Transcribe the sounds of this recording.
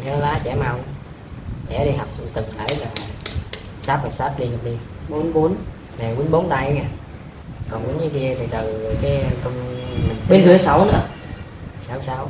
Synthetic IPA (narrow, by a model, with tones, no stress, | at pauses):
nɛ˨˦˧laː˨˦t͡ɕɛ̰˧˩ma˧w | t͡ɕɛ̰˧˩ɗi˧ɦa˨˩wk͡p̚t̪ɨ˨˩a̰ː˧˩˦jlaː˨˩ | saː˦˥p̚ha˨˩k͡p̚saː˦˥p̚ɗi˧ɲa˨˩k͡p̚ɗi˧əɓo˨˦nɓo˨˦n | na˨˩wi˨˦nɓo˨˦nt̪a˧jŋa˧˩ | kɔ˨˩nɓi˨˦nɲɨ˨˧˦ki˧ət̪ʰi˨˩t̪ɨ˨˩˨kaː˨˦˧kə˧wŋ͡mmï˨˩ŋ̟ɓe˧nzɨ˨˩˦əsa˧˩wnɨ̰˨˧˦ə˦˨ | saː˧˦wsaː˧˦w